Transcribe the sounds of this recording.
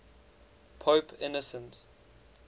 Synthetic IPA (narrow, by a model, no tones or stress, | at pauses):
pʰoʊpʰɪ̰nɔsə̃nt